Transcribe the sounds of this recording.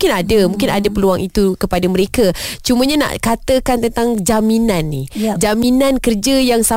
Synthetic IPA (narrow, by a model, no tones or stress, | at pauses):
mkɪnadamũŋkɪnadapəluaŋit̪ukəpadaməɾekat͡ʃuməɲana̰ʔkat̪əkant̪ənt̪aŋd͡ʒaminãnːihd͡ʒaminãnkərd͡ʒajaŋsa